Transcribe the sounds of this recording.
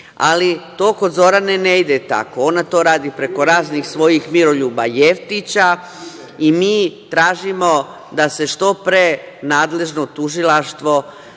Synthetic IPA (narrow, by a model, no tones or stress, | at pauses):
a̰lit̪o̞ːko̞d̪zo̞ɾaneneid̪et̪a̰ko̞o̞nat̪o̞ːɾaːd̪ipɾe̞ko̞ɾaːznixsʋo̞jixmiɾo̞ʎuːbajeft̪it͡ɕa | imiːt̪ɾaːʒimo̞ | d̪ase̞ʃt̪o̞pɾe | naːd̪le̞ʒnot̪uʒilaʃt̪ʋo̞